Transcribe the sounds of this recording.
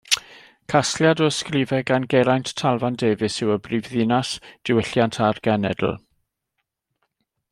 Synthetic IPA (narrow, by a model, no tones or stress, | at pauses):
kʰasljadɔəskriːvɛɡanɡɛɾajnttʰːalˠvandeːvɨsɪwəbriːvðɪːnasd̥ɪwɪɬjantʰarɡ̥ɛnɛ̰dl̩ˠ